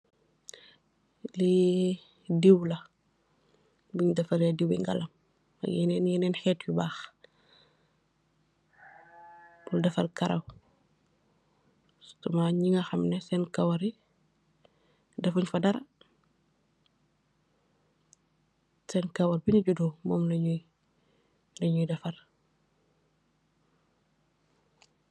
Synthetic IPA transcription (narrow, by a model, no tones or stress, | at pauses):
li | diwlɐ | buɲdɐfɐɾadiwḭŋɡɐ̰lɐm | ɐ̰ɡjɛnɛnjɛnɛːnxɛːtjubaːx | b̥uldɐfɐrkɐɾɐ̰w | stumaɲiŋɐxɐmnɛsɛnkɐwɐɾi | dɐfuɲfɐdɐɾɐ | sɛnkɐwɐɾbiniɟuduːmɔːmlɐɲuj | lɐɲujdɐfɐr